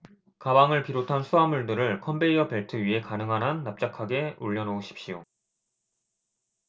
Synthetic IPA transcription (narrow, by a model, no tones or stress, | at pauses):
kabaŋɯɭpiɾotʰansʰuamuɭdɯɾɯɭkʰʌmbeiʌpe̞ɭtʰɯɥiɦe̞kanɯŋɦanɦanːap̚t͡ɕ͈akʰaɡe̞uʎːʌnooɕʰi̥p̚ɕijo